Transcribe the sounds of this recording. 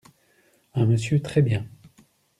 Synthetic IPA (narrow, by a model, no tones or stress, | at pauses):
ɛ̃məsjøt̪χɛbjɛ̃